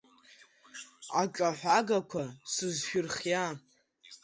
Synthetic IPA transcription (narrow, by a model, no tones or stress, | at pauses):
at͡ʃʼaħʷaɡakʷʰasɨzʃᶣʊrχja